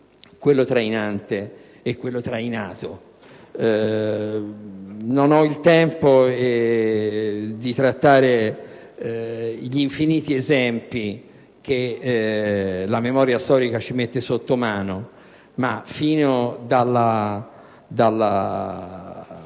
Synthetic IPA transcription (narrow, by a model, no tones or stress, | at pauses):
kwelːot̪ɾajnant̪eː | kːwelːot̪ɾajnaːt̪o | nonɔilt̪ɛmpoɛ | d̪it̪ɾat̪ːaːɾe | ʎiɱfiniːt̪iezɛmpi | k̟e | lamemɔːɾjast̪ɔːɾikat͡ʃimet̪ːesot̪ːomaːno | mafiːnod̪alːa | d̪alːa